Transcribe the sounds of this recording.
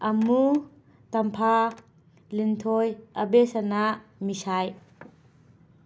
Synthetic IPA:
ʔɐmu | t̪ɐmpʰa | lint̪ʰojʔɐbesɐnamisaj

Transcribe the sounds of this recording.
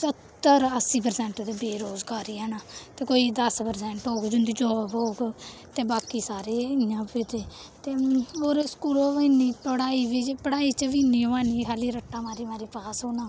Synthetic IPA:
sət̪ːəɾəsːiːp̬əɾsɛ̃ːɳʈːd̪eːbeːɾoːzɡaːɾiːɦɛːnaːt̪eːkoːiːd̪əspəɾsɛːɳʈɦoːɡd͡ʒʊnd̪iːd͡ʒoːbɦoːɡt̪eːbaːkiːsaːɾeːɪjãːpit̪eː | t̪eːoːɾskuɾoːʋəniːpəɽaːiːʋid͡ʒpəɽaːiːt͡ʃʋiːniːɦoːãːniːkʰaːliːɾəʈːaːmaːɾiːmaːɾiːpaːsɦoːnãː

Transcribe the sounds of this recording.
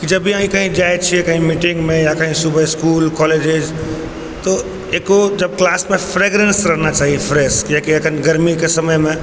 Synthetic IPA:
kid͡ʒɐbiãːɦĩkɐɦĩd͡ʒaːɪt͡ʃʰiekɐ̃ɦĩmiːʈɪ̃ŋɡmẽjakɐ̃ɦĩsʊbʱəskuːlkɔːleːd͡ʒed͡ʒ | t̪o | eːkod͡ʒɐb̚klaːsmẽfɾeːɡɾẽnsɾɐɦnat͡ʃaːɦiefʰɾeːsjakiɐkʰənɡɐɾmikesɐməjmẽ

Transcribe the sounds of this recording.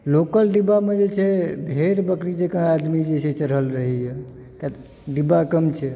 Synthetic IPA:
lokəlɖibamed͡ʒet͡ʃʰɛbʱeɾbəkɾit͡ʃekəad̪mid͡ʒet͡ʃʰɛt͡ʃəɾɦəlɾəɦijɛ | kat̪ | ɖibakəmt͡ʃʰɛ

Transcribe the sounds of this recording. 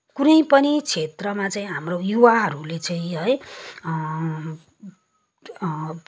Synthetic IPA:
kunʌj̃pʌnit͡sʰet̪rʌmat͡sʌĩɦamrojuwaɦʌɾulet͡saĩɦʌj

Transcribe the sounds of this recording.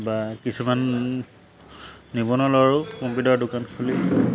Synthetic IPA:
bakisʰuman | ibɔnɔlɔɹukũmpidɔɹdʊkankʰuli

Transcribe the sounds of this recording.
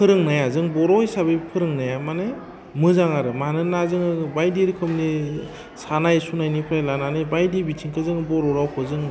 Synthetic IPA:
pʰɯɾɯŋnajazɯŋbɔɾɔjsabɯjpʰɯɾɯŋnajamana | mɯzaŋaɾɯmahanɯnazɯŋɯbajdiɾkʰɯmni | sanajsunajnipʰajlananɯbajdibitʰiŋkʰɯzɯŋbɔɾɔɾawpʰɯzɯŋ

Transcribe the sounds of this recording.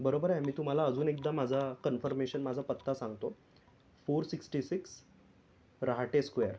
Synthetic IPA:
bəɾobəɾajmiːt̪um̤alaəd͡zuːnek̚d̪amad͡zʱakənfəɾmeɕənmad͡zʱapət̪ʰːasãŋɡt̪o | foɾsiksʈisiks | ɾaɦaʈeskʋejəɾ

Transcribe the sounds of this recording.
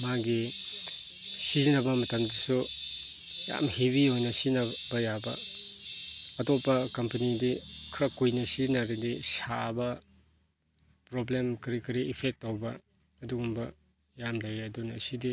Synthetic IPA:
maɡi | sizinɐbɐmɐtɐmdisu | ja̰mheβiojnɐsina | bɐjabɐ̰ | ɐtɔpːɐkɐmpɐnidikʰɾɐkujnɐsinaɾidisabɐ | pɾoblemkɾikɐɾiːpʰek̚tːawbɐː | duɡumbɐ | jamlajɐdunɐsidi

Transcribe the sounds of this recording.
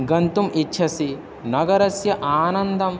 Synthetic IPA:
ɡɐnt̪umitːʃʰɐsi | nɐɡɐɾɐsjɐʔaːnɐnd̪ʱɐm

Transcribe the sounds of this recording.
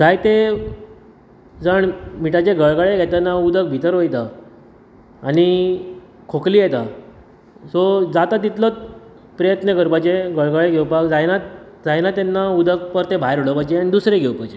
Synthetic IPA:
d͡zajt̪e | d͡zəɳmiʈat͡ɕeɡəɭɡaɭeɡʱɛt̪anaud̪ək̚bʱit̪əɾɦojt̪a | ɽ̃i | kʰokliːjet̪a | sɔd͡zat̪at̪it̪lət̪ | pɾəjət̪nəkəɾpat͡ɕeɡəɭɡaɭeɡʱewpakd͡zajna | d͡zajnat̪enːaud̪ək̚pəɾt̪ebʱajɾoɽəpat͡ɕeaɽ̃id̪usɾeɡʱewpat͡ɕe

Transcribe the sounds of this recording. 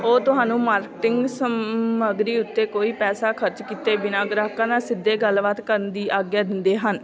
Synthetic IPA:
oːt̪ʊɦaːnũːmaːɾkɪʈɪŋɡsəməɡɾiːʊt̪ːeːkoːiːpɛːsaːkʰəɾt͡ʃkiːt̪eːbɪnaːɡɾaːkãːnaːsɪd̪ːeːɡəlʋət̪kəɾənd̪iːʔaːɡjaːd̪ɪnd̪eːɦən

